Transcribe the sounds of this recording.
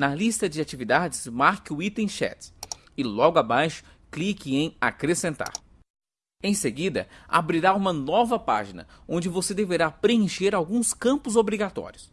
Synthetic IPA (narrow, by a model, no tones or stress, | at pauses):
nɐlist̪ɐd͡ʒɪat͡ʃivid̪ad͡ʒɪsmaɾkʊit̪ẽʃɛ̰t̪ | ɪlɔɡʊabajʃʊ̥ | klikɪẽj̃akɾesẽnt̪a̰ɾ | ẽj̃seɡid̪ɐ̰a̰bɾiɾaũmɐnɔvɐpa̰ʒinɐ̰õnd͡ʒɪvosed̪eveɾapɾeẽʃeɾawɡũskɐ̃mpʊzobɾiɡat̪ɔ̰ɾjʊs